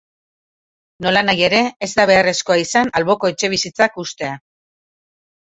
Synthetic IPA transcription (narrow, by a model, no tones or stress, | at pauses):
no̞lanaje̞ɾe̞ːzd̪aβ̞e̞are̞sko̞aisanalβo̞ko̞et͡ʃe̞β̞isit͡sakust̪e̞a